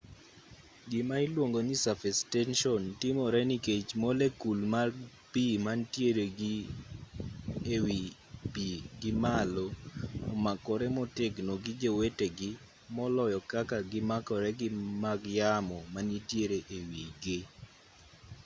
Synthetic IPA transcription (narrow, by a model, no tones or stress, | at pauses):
ɡɪmaɪlwoŋɡonisafɛstɛnʃɔntɪmɔɾɛniket͡ʃmɔlekulma | pimantjeɾeɡ | ewi | biɡɪmaloɔmakɔɾɛmɔtɪɡnoɡɪd͡ʒeweteɡɪ | mɔlɔjɔkakaɡɪmakɔɾɛɡɪmaɡjamɔmanitjeɾeʔewiɡɪ